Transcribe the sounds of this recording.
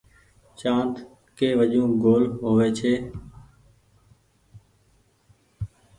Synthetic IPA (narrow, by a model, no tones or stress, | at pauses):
t͡ʃãːnt̪ | keːʋəʄũːɡoːlɦoːʋeːt͡ʃʰeː